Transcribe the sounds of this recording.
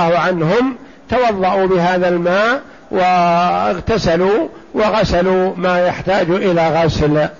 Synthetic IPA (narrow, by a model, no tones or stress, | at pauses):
hʕanɦʊm | t̪awɑðˤːɑʔuːbɪɦaːðalmaːʔ | wʔɪɣt̪asaluːwɪɣasaluːmaːjaħt̪aːd͡ʒʔɪlaːɣasl